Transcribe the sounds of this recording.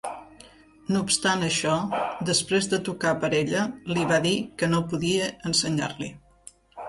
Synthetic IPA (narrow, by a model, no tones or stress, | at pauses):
noupst̪anəʃɔd̪əspɾezðət̪ukapəɾeʎəliβaðikənopuðiəənsəɲa̰ɾli